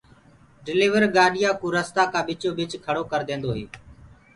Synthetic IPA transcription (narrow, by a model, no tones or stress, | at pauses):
ɖɪliːʋəɾɡaːɗɪjaːkũːɾəst̪aːkãːɓɪt͡ʃoːbɪt͡ʃkʰəɽoːkəɾd̪ẽːnd̪oːɦeː